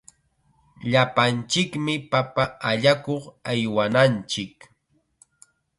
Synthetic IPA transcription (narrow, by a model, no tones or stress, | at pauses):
ʎapant͡ʃɪkmɪpapaaʎakoχajwanant͡ʃɪk